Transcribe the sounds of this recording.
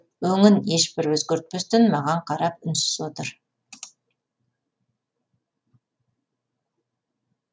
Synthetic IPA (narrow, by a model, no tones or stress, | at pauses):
wɵŋɪnje̞ʃbɪɾwɵzɡʲeɾt̪̚pʏst̪ɪnmɑʁɑɴqʰɑɾɑp̚ʏnsɪ̥zwo̞t̪əɾ